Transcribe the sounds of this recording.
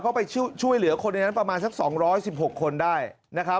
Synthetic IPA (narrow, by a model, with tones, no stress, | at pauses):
kʰa˦˥wpa˧jt͡ɕʰt͡ɕʰu˥˩əjlɯ˨˩˦ɐkʰo˧nːa˧jna˦˥npɾa˧maː˧nsa˦˥k̚sɔː˩˦ŋɾɔː˦˥jsi˨˩p̚ho˨˩kʰːo˧ndaː˥˩j | na˦˥kʰa˦˥